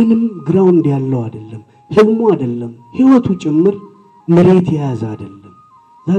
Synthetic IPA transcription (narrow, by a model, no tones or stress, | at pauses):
nɨmɡɨɾawnd̪jalːəwad̪əlːəm | hɨβmoad̪əlːəmhiwɔt̪ʰut͡ʃʼɪmːɨɾ | mɨɾe̞t̪ʰjajazad̪əlːəm | za